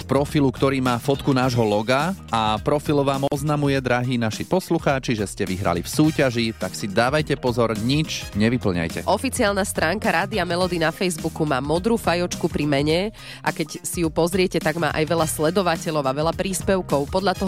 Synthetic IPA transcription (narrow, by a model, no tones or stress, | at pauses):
t̪pɾɔfilukt̪ɔɾiːmaːfɔt̪kunaːʒɦɔlɔɡaapɾɔfilʋaːmɔznamujɛd̪ɾaɦiːnaʃipɔsluxaːt͡ʃiʒɛscɛʋiɦɾa̰lḭfsuːcaʒit̪aksid̪aːʋajcɛpɔzɔɾɲit͡ʃɲɛʋipl̩ɲa̰jcɛ̰ʔɔfit͡siaːlnast̪ɾaːŋkaɾaːd̪iamɛlɔd̪inafɛjzbukumaːmɔd̪ɾuːfajɔt͡ʃkupɾimɛɲɛ | ʔakɛcsijupɔzɾɪɛcɛt̪aɡma̰ːʔajʋɛʎaslɛd̪ɔʋacɛʎɔʊaʋɛʎapɾiːspɛʊkɔʊpɔd̪lʎat̪ɔɦ